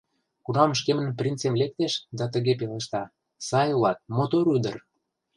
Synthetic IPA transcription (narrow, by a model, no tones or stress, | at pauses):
kunɑmʃ̬kemə̆nprʲint͡semlek̚t̪eʃd̪ɑt̪ə̆ɣep̬eleʃt̪ɑ | sɑjulɑt̪̚mot̪oɾyd̪ə̰̆r